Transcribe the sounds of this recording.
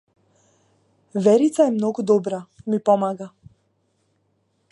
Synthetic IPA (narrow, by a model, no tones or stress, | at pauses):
ʋɛɾit̪sajɛmnoɡɔd̪ɔbɾamipɔmaːɡa